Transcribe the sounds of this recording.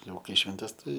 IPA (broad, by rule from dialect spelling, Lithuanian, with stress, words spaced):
ˈjɛʊ ˈkɐɪ ʃʲʋʲɛnʲˈtʲɛs ˈtɐɪ